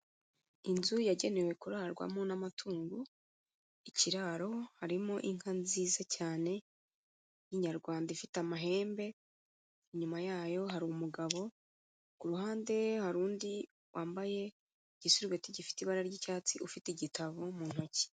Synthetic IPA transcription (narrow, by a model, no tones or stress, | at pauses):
inzujaɟe̞ne̞we̞kuɾaːɾɡwa̰monamatʰuːŋɡu | iciɾaːɾo̞haɾimo̞ʔiŋ̥hanziːzacaːne̞ | jiɲaɾɡwaːndaifitamaɦe̞ːmbe̞ | iɲumajaːjo̞ɦaɾumuɡaβo̞ | kuɾuhaːnde̞haɾuːndi | wʔaːmbaje̞ | ɟ̥isuɾiɡwetiɟifi̥tiβaɾaɾɟicaːt͡siʔufitiɟitaβomun̥hoci̥